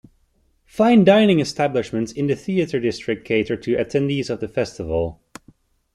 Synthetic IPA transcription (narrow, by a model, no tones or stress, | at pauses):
fãɪ̃ndãɪnɪ̃ŋɨstʰæblɨʃmɨ̃ntsɨ̃nðɨθiɨɾə˞dɪstɹ̥ɨk̚tʰeɪɾə˞tʰɨʔɨtʰɛ̃ndizʌvðɨfɛstɨvl̩ˠ